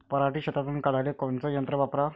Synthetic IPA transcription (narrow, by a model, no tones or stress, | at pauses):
pəɾaʈiːɕət̪at̪̬unkaɽ̤ajlekont͡səjənt̪ɾəʋapɾa